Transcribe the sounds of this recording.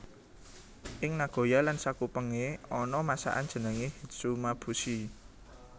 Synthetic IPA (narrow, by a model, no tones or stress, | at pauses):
ʔɪŋnaɡ̥o̤jalansakupəŋeɔnɔmasa̰ʔa̰ndd͡ʒ̥ə̤nəŋehidsumab̥usi